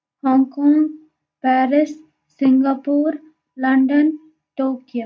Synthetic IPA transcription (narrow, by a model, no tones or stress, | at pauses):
hɔ̃ːŋkɔ̃ːŋɡ | pɛːɾɪs | sɪ̃ŋɡaːpuːɾ | lɐ̃ɳɖən | ʈoːkijə